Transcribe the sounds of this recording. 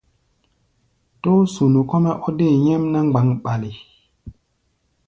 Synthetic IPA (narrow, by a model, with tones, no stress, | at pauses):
to˦su˨nu˨kɔ˦mɛ˦ʔɔ˦de˦˨ɲɛ˦mna˦ŋ͡mɡ͡ba˨˦ŋɓa˨li˨